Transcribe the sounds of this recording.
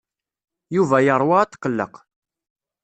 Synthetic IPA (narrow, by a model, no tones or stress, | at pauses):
juvæjəɾˤwɑt̪ːqːəlːə̰q